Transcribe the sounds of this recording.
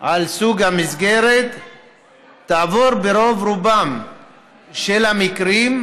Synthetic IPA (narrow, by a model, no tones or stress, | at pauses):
ʔalsuɡhamizɡe̞ɾet̪ː | aːvo̞ɾbeɾo̞vɾubam | ʃelhamikɾim